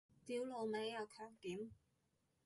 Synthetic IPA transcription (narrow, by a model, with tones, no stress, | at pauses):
t̪iː˨˥wlo˨˧wme˨˧˥jjɐ˨˧wkʰœː˨˧ŋkiː˨˥m